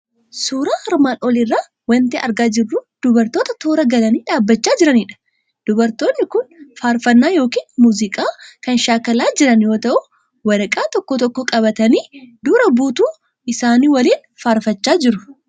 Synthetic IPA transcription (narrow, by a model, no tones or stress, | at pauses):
suːɾaːhɐɾmaːnʔɔlɪrːaː | wɐnt̪eːɐɾɡaːd͡ʒɪrːuːd̪̥ʊbɐɾt̪oːt̪ɐt̪oːɾɐɡɐlɐniːᶑaːbːɐt͡ʃːaːd͡ʒɪɾɐnɪːᶑɐ̥ | d̪̥ʊbɐɾt̪oːnːɪkʊnfaːɾfɐnːaːjo̞ːkiːnmuːzɪkʼaːkɐnʃaːkɐlaːd͡ʒɪɾɐnjo̞ːt̪ɐʔʊ | wɐɾɐkʼaːt̪ɔkːɔt̪ɔkːɔkʼɐbɐt̪ɐniːd̪uːɾɐbuːt̪uː | ʔɪsaːniːwɐliːn | faːɾfɐt͡ʃːaːd͡ʒɪɾʊ